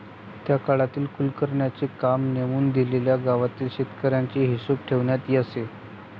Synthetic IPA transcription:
t̪jakaɭat̪iːlkulkəɾɳjat͡sekamnemuːnd̪ileljaɡaʋat̪iːlɕit̪kəɾjaɲt͡ɕeɦisup̚ʈʰeʋɳjat̪iːəse

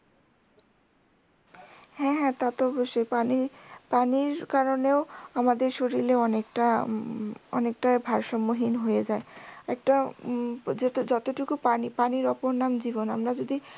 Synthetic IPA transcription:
hɛ̃ɦɛ̃t̪at̪oɔboʃːojpanipaniɾkaɾoneoamad̪eɾʃoɾileɔnekʈa | ɔ̰nek̚ʈabʱaɾʃɔmːoɦinɦojed͡ʑaeɛk̚ʈa | d͡ʑd͡ʑɔt̪oʈukupanipaniɾɔpoɾnamd͡ʑibona̰mɾad͡ʑod̪i

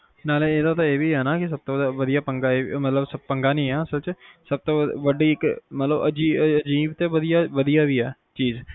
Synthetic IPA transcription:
naːleeːd̪at̪ãeːʋiːɦɛːnaːkɪs̬əb̚t̪õːəd̪aːʋəd̪ijaːpə̃ŋɡaːeːmət̪ləbsəbpəŋɡaːnĩːɛːəsəlt͡ʃsəb̚t̪õːʋəɖiːɪkmət̪ləbə̰d͡ʒiːəd͡ʒiːbt̪eʋəd̪ijaːʋəd̪ijaːʋiːɦɛː | t͡ʃiːz

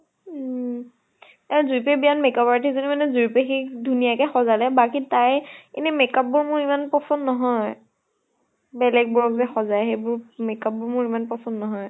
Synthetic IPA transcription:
azuɹipɛbianmɛkabaɹtizonimanɛzuɹipɛxikdʱunijakɛxɔzalɛbakitajḛnɛmɛkap̚ːʊɹmʊɹimanpɹɔsɔnːɔɦɔj | bɛlɛɡ̚bɔɹɔkzɛxɔzajxejbʊɹmɛkap̚ːʊɹmʊɹimanpɹɔsɔnːɔɦɔj

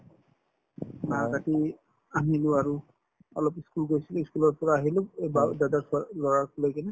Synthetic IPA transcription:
makati | aɦiluaɹu | ɔ̰lɔpiskulɡojsiliskulɔɹpɔɹaːɦiloebadadaɹslɔɹakulɔjkinɛ

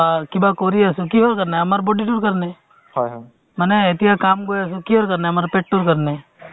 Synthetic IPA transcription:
akibakoːɾiasukiɦoːɾkəɾneəmaːɾboɖiʈuːɾkəɾne | məneet̪iɦakaːmɡojasukiɦoːɾkəɾneəmaːɾpeʈ̚ʈːuɾkəɾne

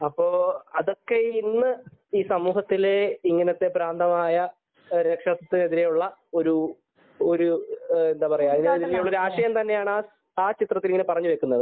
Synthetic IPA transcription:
ɐpːo̞ːɐðo̞kːe̞inːɨiːsɐmuːɦɐt̪ːileiŋːɐnɐt̪ːe̞pɾaːnd̪ʱɐmaːjɐ | ɾekʂɐt̪ːɐt̪ːine̞ðiɾejuɭːɐo̞ɾu | oɾue̞nd̪aːpɐrɐjulɐðineðiɾejuɭːɐɾaːʂɐjɐmt̪ɐnːe̞jaːɳaː | aːt͡ɕit̪rɐt̪ːiliŋːɐnepɐrɐɲːuʋe̞kːunːɐðɨ

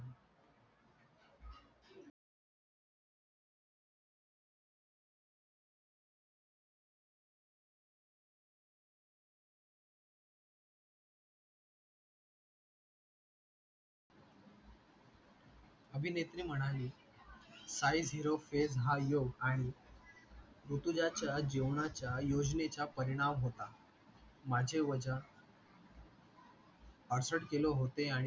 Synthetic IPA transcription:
əbʱinet̪ɾiːm̤əɽ̃aliː | sajd͡zɦiɾofed͡zɦajoɡaɽ̃i | ɾut̪ud͡ʑat͡ɕjad͡ʑeʋɳat͡ɕjajod͡ʑnet͡ɕapəɾiɽ̃amɦot̪a | mad͡ʑʱeʋəd͡ʑən | paɾsəɽkeloɦot̪eaɽ̃

